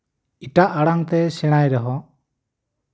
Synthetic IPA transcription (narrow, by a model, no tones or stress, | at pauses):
iʈaʔaɽaŋt̪ɛsɛɽ̃ajɾɛɦɔ